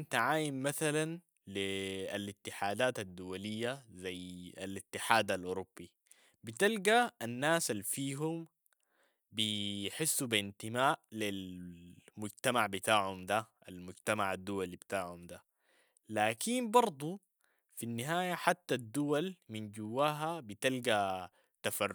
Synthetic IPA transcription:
nt̪aʕaːjimːaθalan | lialɪt̪ːɪħaːd̪aːt̪ad̪ːʊwalijːazaja̰lɪt̪ːɪħaːd̪alʔuɾubːi | bit̪alɡaːnːaːsalfiːɦum | biħɪsːubɪnt̪imaːʔlil | mʊɟt̪amaʕbɪt̪aːʕhumd̪a | almʊɟt̪amaʕad̪ːuwalibit̪aːʕhumd̪a | laːkinbɑɾˤd̪ˤu | finːiɦaːjaħat̪ːad̪ːuwalmind͡ʒuwːaːɦabit̪alɡa | t̪afar

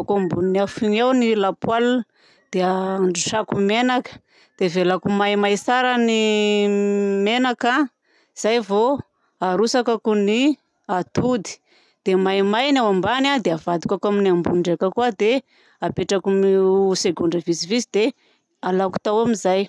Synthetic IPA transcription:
kumbuniniafiŋawnilapwalu | d̪̥eaaɳɖ͡ʐuʃakumenakə̥ | d̪̥evelakumajmajsaɾani | menaka | z̥ajvo | aɾusakakuni | at̪ud̪i̥ | d̪̥emajmajnawambanad̪eavad̪ukakaminiambunɳɖ͡ʐekəkuəd̪e | apeʈ͡ʂakumiuseɡuɳɖ͡ʐəvisivizid̪e | alaku̥t̪awamizaj

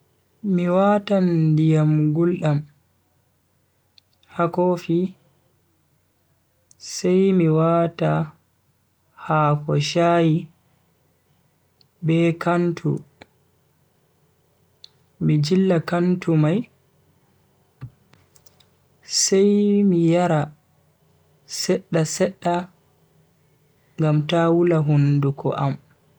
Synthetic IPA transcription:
miwaːtandijamɡulɗam | hakofi | sajmiwaːta | haːkɔʃaːji | bɛːkantʰṵ | mid͡ʒilːakantumaj | sajmijaɾa | sɛɗːasɛɗːa | ŋɡamtawulaɦundukʰɔ̰ʔam

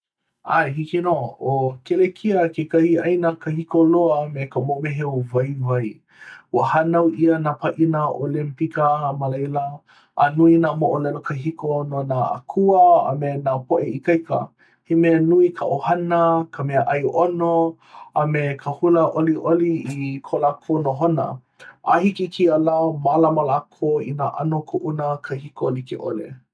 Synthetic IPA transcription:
ʔajɦikinookelekʰiəkekahiajnakəhikoloəmekəmomeɦeovajvaj | wəhanawʔiənapaʔinaʔolimpikəmalajlɐ | ʔːnuinamoʔolɛlokəɦikononaa̰kʰuəa̰menapoʔeikajkə̰ | himɛnuikʰaʔohanəkʰəmɛəʔajʔono | amekʰəhuləʔoliʔoliikʰolakʰonoɦonə̰ | ʔahikikʰiəlamalamalakʰoḭnaʔa̰nokʰoʔunəkʰəhikolikḛʔo̰lḛ

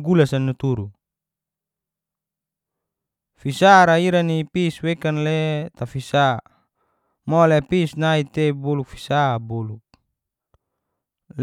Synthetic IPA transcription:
ɡulasanːut̪uɾu | fisaɾaiɾanipiswekanlet̪afisa | mɔlepisnait̪eboluk̚fi̥saboluk̚ | l

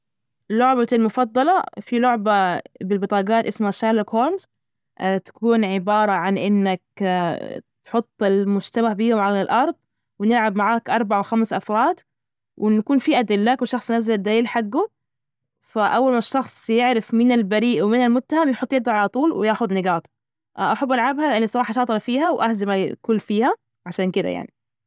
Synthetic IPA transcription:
lʊʕbalmʊfɑd̪ˤːɑlɑfilʊʕbabɪlbɨt̪ˤɑːɡɑːt̪ʔɪsmaʃːaːlakhoːɾmz | t̪ḁkuːnʕɪbɑːɾˤɑʕanʔɪnːak̚ | t̪ħʊt̪ˤːɪlmʊd͡ʒt̪amahbiːhʊmʕalalʔɑɾˤd̪ˤ | wɪnɪlʕabmaʕaːkʔɑɾˤbaʕawxamsʔɑfɾˤɑːd̪ | wʔɪnakuːnfiːʔad̪ɪlːaːkwɪʃːɑxsˤnazald̪ːaːiːlħaɡːʊ | faʔawːalmaʃːɑxsˤjɪʕɾɪfmɪnalbaɾiːʔwɪmɪnalmʊt̪ːahamjħʊt̪ˤːjɪb̚d̪aʕalat̪ˤuːlwɪjaːxʊd̪nɪɡɑːt̪ˤ | ʔʔaħabːʔalʕabhaʔanisˤɑɾˤɑːħɑʃɑːt̪ˤɨlɑfiːhawʔahzamalkʊlːfiːha | ʕaʃaːnkɪd̪a̰ja̰ʕni

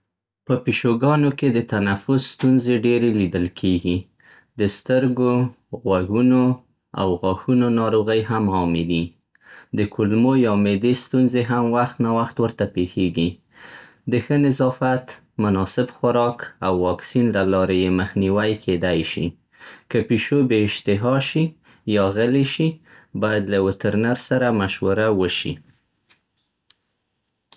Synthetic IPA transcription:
pəpiʃoɡɑnoked̪ət̪anafʊsst̪unzeɖeɾelid̪əlkʰeɡi | d̪əst̪əɾɡo | ɣwaɡuno | a̰wɣɑxunonɑɾoɣəjɦamɑmed̪i | d̪əkʰʊlmojɑmed̪est̪unzeɦamwaxt̪nɑwaxt̪wəɾt̪apexeɡi | d̪əxənɪzɑfat̪ | mʊnɑsɪbxʊɾɑkawːɑksinlalɑɾejeməxniwajkʰed̪ajʃḭ | kəpiʃobeɪʃt̪ɪɦɑʃi | jɑɣəleʃi | bɑjad̪lawɪt̪əɾnaɾsaɾamaʃwaɾawəʃḭ

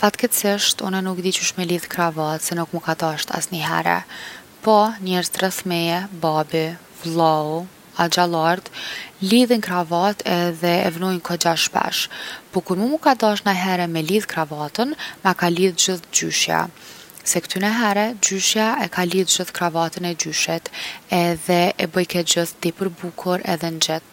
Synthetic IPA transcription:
pat̪kɛt̪sɪʃt̪unɛnuk̚d̪it͡ɕuʃmɛliðkɾavat̪sɛnukmukad̪aʃt̪a̰sniɦɛ̰ɾɛ̰ | pɔɲɛɾzt̪ɾəθmɛɛbabi | vlˠau | ad͡ʑalˠaɾt̪liðinkɾavat̪ʰɛðɛɛ̰vnɔjnkʰɔd͡ʑaʃpa̰ʃpɔkuɾmumukad̪aʃnaɦɛɾɛmɛliðkɾavat̪ənmakaliðd͡ʑiθd͡ʑyʃja̰ | sɛkt̪ynəɦɛɾɛd͡ʑyʃjaɛkaliðd͡ʑiθkɾavat̪ənɛd͡ʑyʃɛt̪ɛðɛʔɛbəjkɛt̪̚d͡ʑiθt̪ipəɾbukʰuɾɛ̰ðɛnd͡ʒɛt̪̚

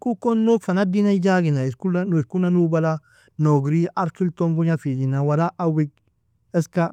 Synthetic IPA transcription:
kukonːokfanadinad͡ʒaɡinaiskulanskunanubala | noɡɾiʔaɾkilt̪oŋɡuɲafid͡ʒinawaɾaʔawiɡ̚ | ɛska

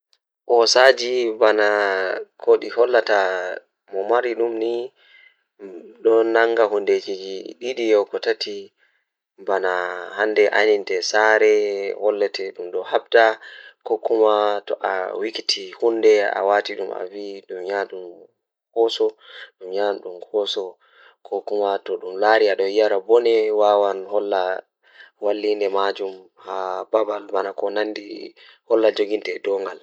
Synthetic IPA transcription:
ʔɔsad͡ʒibanakʰoɗihɔlːata | mɔmaɾiɗumni | ɗɔnaŋɡaɦunded͡ʒid͡ʒiɗiɗijɔkɔtatʰi | banahandɛʔa̰nintɛsaɾɛhɔlːɛtɛɗumɗɔhabdakɔkːumatɔʔa̰wikitʰihunːdɛa̰watiɗuma̰viɗumɲanɗum | hɔsɔɗumɲanɗumhɔsɔ | kʰɔkumatɔɗumlaɾiaɗɔjaɾabɔnɛwawanhɔlːa | walːindɛmad͡ʒum | hababalbanakɔnandi | hɔlːad͡ʒoɡintɛdɔŋɡal

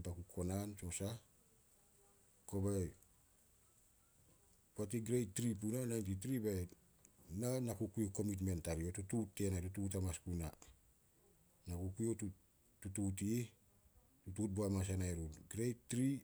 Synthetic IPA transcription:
bakukʰo̞nanso̞sa | kobaj | puatiɡɾejtːɾip̬unanajntit̬ɾibaj | nanakukujoko̞mit̬me̞ntaɾio̞tututːe̞natutut̬amaskuna | nakukujotu | tutut̬i | tutut̚boamas̬anaeɾutɡɾejttɾi

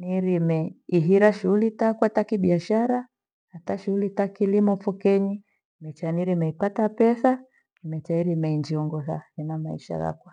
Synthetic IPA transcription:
niɾimɛiɦiɾaʃuulitakwatakiɓiaʃaɾa | hataʃuulitakilimɔfɔkɛɲi | mɛt͡ʃaniɾimɛipatapɛsa | imɛt͡ʃaiɾimɛind͡ʒiɔŋɡɔθa̰inamaḭʃa̰ɣa̰kwa

